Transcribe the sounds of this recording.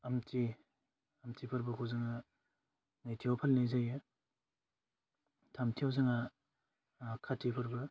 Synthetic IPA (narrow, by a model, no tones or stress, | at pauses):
ɐmti | ɐmtʰipʰɐɾbɯkʰuwzɯŋa | najtʰijawpʰalnajzajɯ | tʰamtʰiawzɯŋa | kʰatʰipʰɐɾbɯ